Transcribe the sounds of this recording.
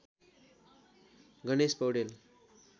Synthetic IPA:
ɡʌnespʌwɽel

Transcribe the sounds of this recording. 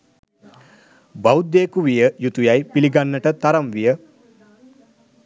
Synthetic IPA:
bawud̪ːeːkuʋijəjut̪ujajpiliɡanːəʈət̪aɾamʋijə

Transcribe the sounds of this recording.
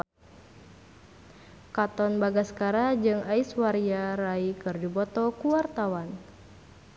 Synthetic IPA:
kat̪ɔnbaɡaskaɾad͡ʒɨŋaiswaɾiaɾaikɨrdibɔt̪ɔkuwart̪awan

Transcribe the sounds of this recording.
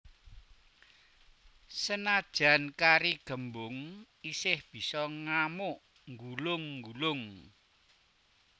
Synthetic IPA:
sənad̥ʒ̥a̤nkaɾiɡ̥ə̤mbʊŋ | isɪhb̥i̤sɔŋamʊʔ | ŋɡulʊŋːɡulʊŋ

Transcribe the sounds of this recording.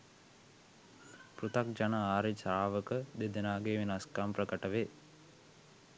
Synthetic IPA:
prut̪ak̚d͡ʒanəaːɾit͡ʃaːʋəkəd̪ed̪enaːɡeːʋenaskamprəkəʈəʋe

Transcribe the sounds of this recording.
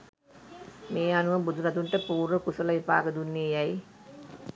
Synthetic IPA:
meːanuʋəmbud̪ʱuɾad̪uɳʈəpuːɾəkusɐləʋipa̰ːɡəd̪unːijaj

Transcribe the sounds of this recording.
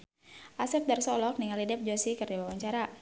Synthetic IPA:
ʔasɛp̚darsɔlɔk̚niŋalidɛp̚d͡ʒosikərdawawaɲt͡ʃaɾa

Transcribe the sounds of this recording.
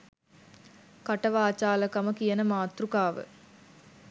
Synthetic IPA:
kɐʈɐʋaːt͡ʃaːlɐkɐmɐkijɐnəmaːt̪rukaːʋə̰

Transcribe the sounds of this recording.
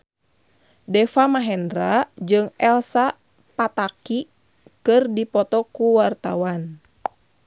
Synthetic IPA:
dɛfamaɦɛndɾad͡ʒɨŋɛlsa | pat̪aki | kɨrdipɔt̪ɔkuwart̪awan

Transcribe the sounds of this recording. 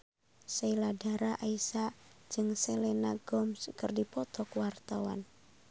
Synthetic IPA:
sailadaɾaʔaisad͡ʒɨŋsɛlɛnaɡɔmskərdipɔt̪ɔkwart̪awa̰n

